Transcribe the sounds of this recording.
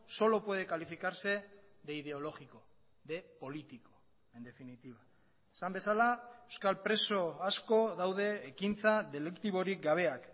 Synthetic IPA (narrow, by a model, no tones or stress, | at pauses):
so̞lo̞pwe̞ð̞e̞kalifikaɾse̞ðeið̞e̞o̞lo̞ɣiko̞ | ðe̞po̞lit̪iko̞̥ | e̞nd̪e̞finit̪iβa | esambe̞salaewskalpɾe̞so̞asko̞ðawðe̞ːkint͡saðe̞lekt̪iβo̞ɾik̚ɡaβ̞e̞ak